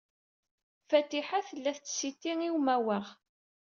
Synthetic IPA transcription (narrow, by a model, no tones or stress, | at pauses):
fæt̪ːiħaθəlːæθt͡sːsit̪ːiŋiwmæwəʁ